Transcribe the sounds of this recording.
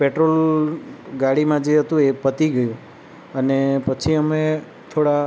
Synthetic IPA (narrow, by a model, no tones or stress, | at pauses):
peʈɾol | ɡaɽimãd͡ʒeɦət̪ũepət̪iɡəjũ | ənepət͡ʃʰiəme | t̪ʰoɽa